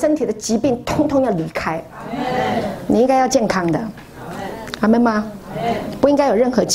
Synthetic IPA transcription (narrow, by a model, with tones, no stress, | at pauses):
ʂə˥nt̪ʰi˨˩d̪ə˦t͡ɕi˧˥pi˥˩ŋt̪ʰʊ˧˥ŋt̪ʰʊ˧˥ŋjɑ˥˩ʊli˧˥˩kʰa˥ɪ | ni˨˩i˥ŋka˥ɪjɑ˥˧ʊt͡ɕjɛ˥˩nkʰɑ˥ŋd̪ə̰˨ | a˧˥mə˧˥ma˧ | pu˥˩i˥ŋka˥ɪjo˨˩ʊɻə˥˩nxɤ˧˥t͡ɕ